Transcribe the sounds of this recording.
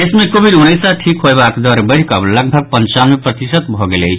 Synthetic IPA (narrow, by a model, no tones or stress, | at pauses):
esmekobʱiɖuñejsaʈʰikɦoebakd̪ʌɾbəɽkʌblʌɡ̚bʱʌɡ̚pənt͡ʃanmepɾʌt̪isət̪bʱɔɡelej